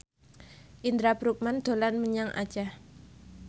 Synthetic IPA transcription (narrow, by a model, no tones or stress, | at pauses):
ʔind̪ɾabɾuk̚mand̪̥o̤lanməɲaŋʔa̰d̥d͡ʒ̥ah